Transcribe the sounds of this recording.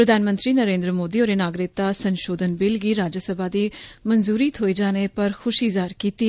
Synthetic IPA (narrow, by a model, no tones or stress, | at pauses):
pɾəd̪ʱaːnmə̃nt̪ɾiːnəɾẽːnd̪ɾəmoːd̪iːoːɾeːnaːɡɾɪk̚t̪aːsənʃoːd̪ənbɪlɡiːɾaːd͡ʒəsəbʱaːd̪iːmənzuːɾiːt̪ʰɦoːiːd͡ʒaːnepəɾxʰʊʃɪzaːɾkiːt̪iː